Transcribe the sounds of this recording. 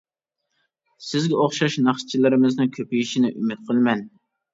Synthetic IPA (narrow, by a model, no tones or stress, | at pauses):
sɪzɡʲɛoχʃɑʃnɑχst͡ʃʰilɪɾɪmɨznɪŋkʲʰøpijiʃinɪʔymɪt̪̚qʰəlˠmɛn